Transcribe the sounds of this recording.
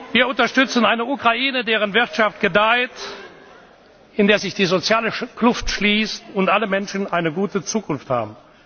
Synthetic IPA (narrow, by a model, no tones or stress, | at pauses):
viːɐʊntɐʃtʏt͡snaɪnəukʁ̥aiːnədeːʁ̞ənvɪʁtʃaft̚ɡ̥ədaɪt | ɪndeːɐzɪçd̥iːzot͡sjaːləklʊftʃliːstʊntʔaləmɛnʃn̩ʔaɪnəɡuːtət͡suːkʰʊnftha̰ːbm̩